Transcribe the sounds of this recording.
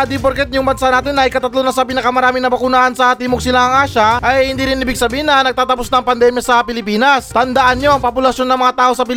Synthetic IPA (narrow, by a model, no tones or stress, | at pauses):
d̪ipoɾkɛt̪̚jʊŋbɐnsaʔnaːt̪ɪnʔɐjkɐt̪ɐt̪lonɐasɐp̬inɐkɐmɐɾaːmɪŋnɐbɐkʊnaːʔɐnsɐt̪iːmoɡ̚sɪlaɐŋʔaːʃɐʔɐjhɪnd̪iːɾɪnɪbɪɡ̚sɐbiːhɪnɐnɐɡ̚t̪aːt̪ɐposnɐŋpɐnd̪ɛmjɐsɐpɪlɪpiːnɐst̪ɐnd̪ɐʔanɲoʔɐŋpopʊlɐʃjo̞nːɐŋmɐŋat̪aːʔosɐpɪ